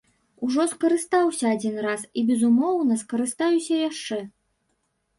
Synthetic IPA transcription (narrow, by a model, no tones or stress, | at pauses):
uʐɔskɐɾɨst̪awsʲɐːd͡zʲinrasibʲɛzumɔwnɐskɐɾɨst̪ajusʲɐjaʂt͡ʂɛ